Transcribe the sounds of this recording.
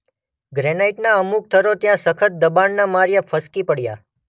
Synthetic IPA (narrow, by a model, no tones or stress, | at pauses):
ɡɾɛnaiʈnaəmuk̚t̪ʰəɾot̪jãsəkʰət̪̚d̪əbanːamaɾjəfʰəskipəɽja̰